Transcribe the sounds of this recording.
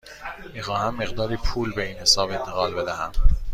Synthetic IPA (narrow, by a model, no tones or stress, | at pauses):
miːxɒːhæmːe̞ɣd̪ɒːɾiːpʰuːlbe̞iːnhe̞sɒːbe̞nt̪ʰeɣɒːlbe̞d̪æhæm